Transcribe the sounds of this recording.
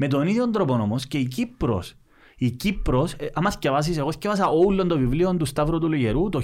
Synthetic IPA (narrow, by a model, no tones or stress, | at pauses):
me̞t̪o̞niðjond̪ɾoponomosce̞ic̬ipːɾo̰s | icipɾosɐmɐscevɐs̬iseɣoscevɐs̬ɐʔoulːond̪ovivliont̪ust̪ɐvɾot̪uluʝeɾut̪o